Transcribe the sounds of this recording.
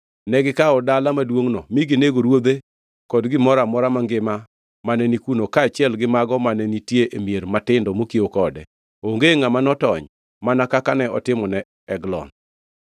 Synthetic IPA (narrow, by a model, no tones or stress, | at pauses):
nɛɡɪkaɔdalamadwoŋnɔmiɡineɡoɾwod̪e | kɔdɡɪmɔɾamɔɾamaŋɡɪma | manɛnikunokaːt͡ʃɪɛlɡɪmaɡɔmanɛnitjeʔemjeɾmatɪndɔmokiokɔdɛ | oŋɡeŋamanɔtɔɲ | manakakanɛɔtɪmɔnɛ | ɛɡlɔ̰n